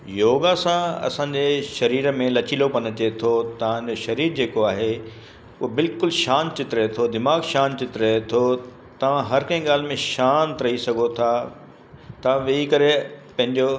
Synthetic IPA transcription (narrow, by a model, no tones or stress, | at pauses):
joːɡasãɐ̰sãːɲd͡ʑeʃɐɾiːɾmẽlɐt͡ɕilopɐnət͡ɕet̪ʰot̪ɐʋ̤ãd͡ʑoʃɐɾiːɾd͡ʑeːkoaːɦe | ʊɦobɪlkʊlʃaːnt͡ɕɪt̪ɾɐɦet̪ʰod̪ɪmaːɡʃaːnt͡ɕɪt̪ɾɐɦet̪ʰo | t̪ɐʋ̤ãɦɐɾkɐ̃ĩɠaːl̤ɪmẽʃaːnt̪ɾɐɦisɐɡʱot̪ʰa | t̪ɐãʋɐikɐɾepɐ̃ɦɪ̃ɲd͡ʑo